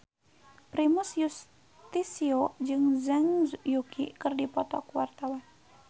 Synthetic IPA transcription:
pɾimʊsjus | t̪isiod͡ʒɨŋzaŋjukḭkɨrdipɔt̪ɔkwart̪awan

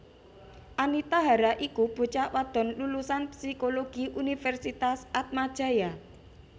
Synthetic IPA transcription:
ʔanit̪aɦaɾaʔikub̥ṳt͡ʃaʔwad̪̥ɔ̤nlulusanpsikoloɡ̥iʔunifɛrsit̪asat̪̚mad̥ʒ̥a̤ja

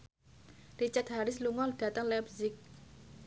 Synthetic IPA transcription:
rit͡ʃat̪̚haɾɪsluŋɔld̥ä̤t̪əŋlɛpzɪk̚

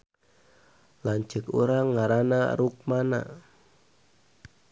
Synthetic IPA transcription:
land͡ʒə̤kṵɾaŋːaɾana̰ruk̚mana̰

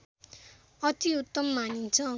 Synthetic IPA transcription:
ʌt̪iut̪ːʌmːanint͡sʰʌ

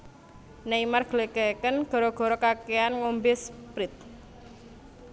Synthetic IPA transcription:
naimarɡ̥leɡɛkənɡ̥ɔ̤ɾɔɡ̥ɔ̤ɾɔkakeanŋombɪspɾɪt̪̚

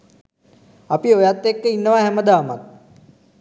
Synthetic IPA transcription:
apiojat̪ːekːəinːəʋaɦɛməd̪aːma̰t̪̚

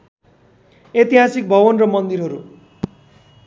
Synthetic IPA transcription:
et̪iɦasik̚bʱʌβʌnrʌmʌnd̪iɾɦʌɾu

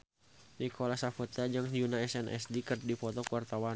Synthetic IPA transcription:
nikʰɔlasafut̪ad͡ʒɨŋd͡ʒunaɛsɛnʔɛ̰sdikərdipɔt̪ɔkuwart̪awa

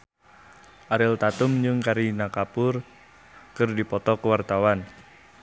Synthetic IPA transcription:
ʔaɾɪlt̪at̪umd͡ʒɨŋkaɾinakapʊr | kɨrdipɔt̪ɔkəwart̪awan

